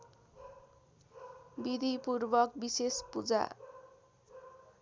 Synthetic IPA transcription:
bid̪ʱipurbʌk̚bisespud͡za̰

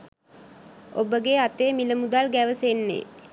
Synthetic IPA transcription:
obəɡeat̪eːmiləmud̪alɡæʋəsenːḛ

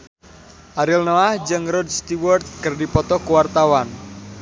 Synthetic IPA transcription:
ʔaɾilnoahd͡ʒɨŋrɔdst̪iwɔrt̪̚kərdipɔt̪ɔkuwart̪awan

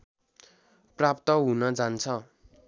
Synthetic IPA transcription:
prapt̪ʌɦunʌd͡zant͡sʰʌ

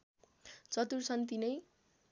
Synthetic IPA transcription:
t͡sʌt̪ursʰʌnt̪inʌj

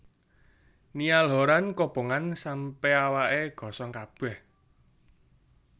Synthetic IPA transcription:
nialɦɔɾankob̥o̤ŋansampeawaʔeɡ̥ɔ̤sɔŋkab̥ɛ̤h

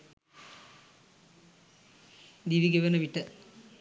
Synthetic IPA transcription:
d̪iʋiɡeʋɐnɐʋiʈːɐ

